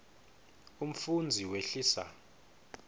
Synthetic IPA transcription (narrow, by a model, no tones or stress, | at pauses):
um̩fund͡zʱiweɬiːsa̰